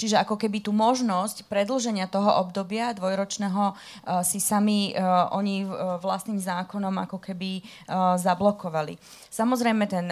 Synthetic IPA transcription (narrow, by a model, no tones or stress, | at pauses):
t͡ʃiʒɛakɔkɛbit̪uːmɔʒnɔscpɾɛd̪l̩ʒɛɲɪat̪ɔɦɔʔɔbd̪ɔbɪad̪ʋɔjɾɔt͡ʃnɛːɦɔ | sisamiʔɔɲiʋlast̪niːmzaːkɔnɔma̰kɔkɛbi | zablɔkɔʋalḭ | samɔzɾɛjmɛt̪ɛn